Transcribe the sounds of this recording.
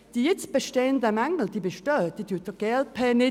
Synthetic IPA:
d̥ijɪt͡sb̥əʃteːəndəmæŋl̩d̥iːbəʃtøːd̥idʰytɔɡ̥ɛl̚pʰɛnɪ

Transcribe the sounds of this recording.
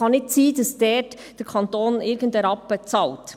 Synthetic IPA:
ɑnːɪtt͡siːdɑsd̥ɛːt | d̥ɛɾkʰɑntoːnɪɾɡəndɛɾɑpːət͡sɑlt

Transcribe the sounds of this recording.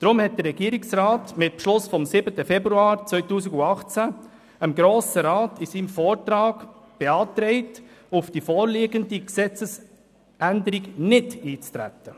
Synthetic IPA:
d̪̥ɾʊmhɛt̚d̥̪ərːɛɡ̥iəɾiksɾaːtmɪt̚pʃlʊsfɔmsɪbətəfɛbɾuɑːɾt͡sʋœʏtuːsiɡuɑχt͡sæ | əmɡɾoːsəɾaːtisiːmfɔːɾtɾaːɡ | b̥ɛɑːt̪ɾɛɪtʊfd̥ifɔːɾliːɡəndiksɛt͡səs | ʔændəɾiɡnɪtiːt͡st̪ɾæ̰tːə

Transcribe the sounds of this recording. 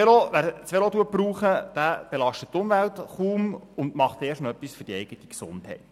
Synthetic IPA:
eloʋæɾt͡sʋelod̪uəpɾuːχəd̥æb̥elɑʃtəttːʊmvæltχuːmʊndmɑχt̪eːʃnɔœpːisfʏɾdiɛɪɡ̥ət̪i̥ksʊ̰nthɛ̰ɪt

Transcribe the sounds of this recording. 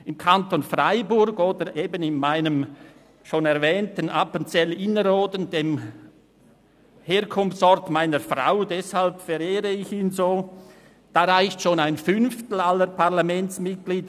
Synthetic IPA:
ɪmkʰantonfʁaɪbʊɾɡoːdəʔeːbənɪnmaɪnəm | ʃoːnɛɾvɛːntənʔapənt͡sɛlɪnəɾoːdəndeːm | heːɾkʰʊmft͡sɔɾtmaɪnəɾfʁa̰ʊdɛshalpfɛɾeːʁəɪçiːnzoː | d̥aːɾaɪçtʃoːnaɪnfʏnftl̩alːəɾpʰaʁlamɛnt͡smɪt̚ɡ̥liːd

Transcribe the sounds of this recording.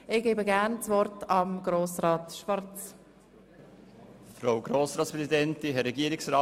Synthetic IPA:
ɪɡ̥eːbəɡæɾnt͡svɔɾtɑmɡɾoːsɾɑːtʃvɑɾt͡s | fɾawɡɾoːsɾɑːtspɾɛsidɛntiɦɛɾɛɡiəɾɪksɾaː

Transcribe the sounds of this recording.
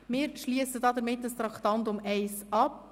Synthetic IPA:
mɪːɾʃliəsədɑːd̪əɾmɪtːdəst̪ɾɑkt̪ɑnt̪ʊmɛɪsɑp̚

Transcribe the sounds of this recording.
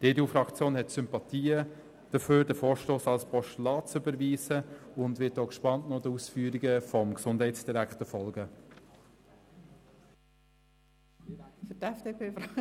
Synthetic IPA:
d̥eːdeufɾɑkt͡sjoːnɦɛtsʏmpɑtiːə | d̥əføːɾdəfoːɾʃtoːsɑlspʰɔʃtlɑːt͡sʏbəɾʋiːsəʊndʋɪtoːkʃpɑntnɔdəusfyːɾiɡəfɔmksʊndɦɛɪtsd̥iɾækχtəfɔlɡə | fətɛfd̥eːpʰeːf

